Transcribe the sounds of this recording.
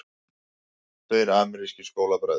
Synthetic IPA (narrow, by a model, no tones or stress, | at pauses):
t̪œjɾaːmɪɾiscɪskoːwlapɾaːð